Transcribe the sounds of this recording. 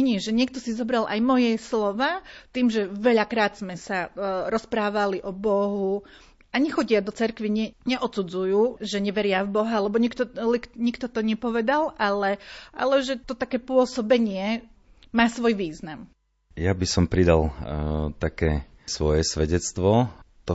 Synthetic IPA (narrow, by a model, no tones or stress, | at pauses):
ɛɲɪɛʒɛɲɪɛk̚t̪ɔsizɔbɾalʔa̰jmɔjɛslɔʋaːt̪iːmʒɛʋɛʎakɾaːd̪z̥mɛsaɾɔspɾaːʋaliʔɔbɔɦu | aɲɛxɔɟɪad̪ɔt͡sɛɾkʋiɲɛɲɛʔɔt̪t͡sud͡zujuːʒɛɲɛʋɛɾɪavbɔɦalɛbɔɲɛkt̪ɔlɛkɲikt̪ɔt̪ɔɲɛpɔʋɛd̪alʔalɛʔa̰lɛʒɛt̪ɔt̪akɛːpʊɔsɔbɛɲɪɛ | maːsʋɔjʋiːznam | jabisɔmpɾid̪a̰lt̪akɛː | sʋɔjɛsʋɛɟɛt͡st̪ʋɔt̪ɔ